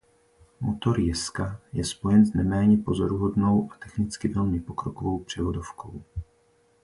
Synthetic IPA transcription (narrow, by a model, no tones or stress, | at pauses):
mot̪o̞ɾjɛskajɛspo̞jɛnznɛmɛːɲɛpo̞zo̞ɾuɦo̞dno̞wʔat̪ɛxnɪt͡skɪvɛlmɪpo̞kɾo̞kovo̞wpr̝̥ɛvo̞dofkʰo̞̰w